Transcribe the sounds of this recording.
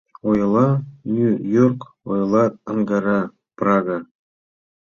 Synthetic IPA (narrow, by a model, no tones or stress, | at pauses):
ojlˠɑnʲyjorkojlˠɑɤŋɡɑɾɑ | prɑɡa